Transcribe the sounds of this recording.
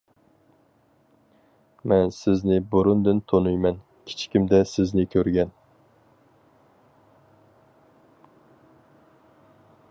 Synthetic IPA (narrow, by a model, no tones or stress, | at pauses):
mɛnsɪznɪbuɾund̪ɨnt̪ʰonujmɛn | kʲʰi̥t͡ʃʰkʲimd̪ɛsɪznɪkʲʰøɾɡʲɛn